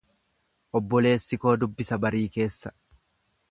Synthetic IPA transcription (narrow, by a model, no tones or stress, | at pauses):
ʔɔbːɔle̞ːsːɪko̞ːd̪ʊbːɪsɐbɐɾiːke̞ːsːɐ